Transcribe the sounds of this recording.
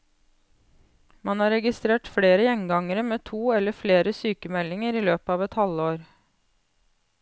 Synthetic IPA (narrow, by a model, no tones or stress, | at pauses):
mɑnhɑːɾɛɡɪst̪ɾeːʈfɽeːɾəjɛŋɡɑŋəɾəmeːt̪ʰuːɛləfleːɾəsyːkəmɛlɪŋəɾiːløːpəɑːʋɛt̪hɑləoːɾ